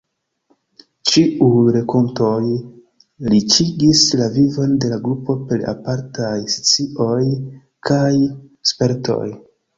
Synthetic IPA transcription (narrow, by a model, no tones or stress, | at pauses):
t͡ʃiʔujɾe̞komto̞j | lit͡ʃiɡislavivo̞nde̞laɡɾupo̞pe̞ɾa̰paɾtajst͡siʔo̞j | kʰajspe̞ɾtʰo̞̰j